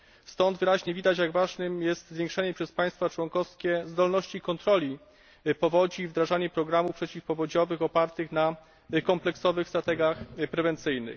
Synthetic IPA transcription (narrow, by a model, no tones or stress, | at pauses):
st̪ɔnd̪vɘɾaʑɲɛvʲid̪at͡ɕjaɡvaʐnɘmjɛst̪zvʲjɛ̃ŋkʂɛɲɛpʂɛspaj̃st̪fat͡ʂwɔŋkɔfskʲɛzd̪ɔlnɔɕt͡ɕikɔnt̪ɾɔlʲi | pɔvɔd͡ʑiːvd̪ɾaʐaɲɛpɾɔɡɾamufpʂɛt͡ɕifpɔvɔd͡ʑɔvɘxɔpaɾt̪ɘxna | kɔmplɛksɔvɘxst̪ɾat̪ɛɡʲjaxpɾɛvɛnt̪sɘjnɘ̰x